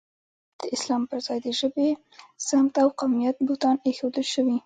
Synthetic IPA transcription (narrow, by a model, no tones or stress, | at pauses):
d̪̥əɪslɑmpəɾzɑjd̪əʒəbe | samt̪awqawmijat̪̚bʊht̪ɑnexod̪əlʃəwi